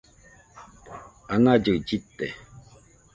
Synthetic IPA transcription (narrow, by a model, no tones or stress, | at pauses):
aŋad͡ʒəkd͡ʒit̪ːɛ̰